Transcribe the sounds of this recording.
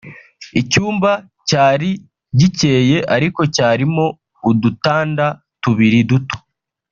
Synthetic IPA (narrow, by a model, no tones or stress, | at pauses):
icuːmba | caːɾi | ɟice̞ːje̞ʔaɾiko̞caːɾimo̞ | udutaːnda | tuβiɾiduto̥